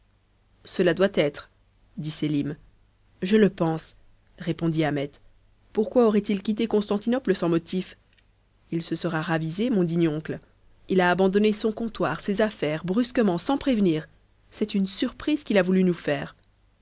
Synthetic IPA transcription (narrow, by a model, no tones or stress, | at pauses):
səlad̪wat̪ɛt̪χ | d̪iselim | ʒələpɑ̃s | ʁepɔ̃d̪iamɛt̪ | puʁkwaoʁɛt̪ilkʲit̪̬ekɔ̃st̪ɑ̃t̪inɔpləsɑ̃mɔt̪if | ilsəsəʁaʁavizemɔ̃d̪iɲjɔ̃kl | ilaːbɑ̃d̪ɔnesɔ̃kɔ̃t̪waʁsezafɛːʁbʁyskəmɑ̃sɑ̃pχevniːʁ | sɛt̪ynsyʁpχiz̥kʲilavulynufɛːʁ